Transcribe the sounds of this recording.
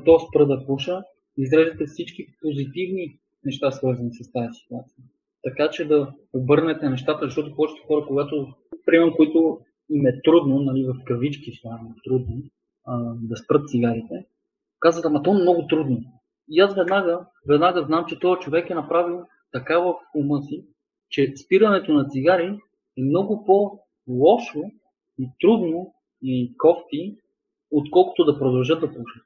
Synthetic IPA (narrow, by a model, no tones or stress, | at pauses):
t̪ɔspɾɤd̪ɐpɔʃə | izdɾɛʒit̪ɛfsit͡ʃkipozit̪ivni | nɛʃt̪asvɤɾzɐnisəst̪aəsi̥t̪uat̪sijə | t̪ɐkat͡ʃɛd̪ɐ | obɤɾnɛt̪ɛnɛʃt̪at̪əzɐʃt̪ɔt̪ʊpɔt͡ʃɛ̥t̪ɛ̥xɔɾəkoɡat̪o | pɾimɛmkoit̪ʊ | imɛt̪ɾud̪nonɐlivɐfkɾvit͡ʃkisanit̪ɾud̪no | d̪ɐspɾɤt̪t̪siɡaɾit̪ɛ | kazvət̪amɐt̪ɔmnɔɡʊt̪ɾud̪no | iasvɛd̪naɡə | vɛd̪naɡəznamt͡ʃɛt̪ɔjət͡ʃovɛkɛnɐpɾavilˠ | t̪ɐkavɐfʊmɤsi | t͡ʃɛspiɾɐnɛt̪onɐt̪siɡaɾi | ɛmnɔɡʊpo | lˠɔʃo | it̪ɾud̪no | ikɔft̪i | ot̪kɔlˠko̥t̪od̪ɐpɾod̪ɐlˠʒɤd̪ɐpuʃɛ̥